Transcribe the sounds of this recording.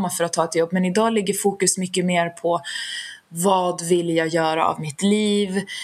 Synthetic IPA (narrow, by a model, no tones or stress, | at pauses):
mːafœɾat̪ʰːɑːɛt̪jɔbːmɛnɪd̪ɑːlɪɡːəɾfuːkɵsmʏkːəmeːɾpʰɔ | vɑːd̪vɪljɑːɡjœːɾa̰a̰vmɪt̪liːv